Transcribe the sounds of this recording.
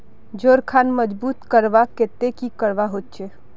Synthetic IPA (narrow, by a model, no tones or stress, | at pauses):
d͡ʒoːɾkʰaːnməd͡ʒbuːt̪kəɾʋakeːt̪ekikəɾʋaɦoːt̪t͡ʃeː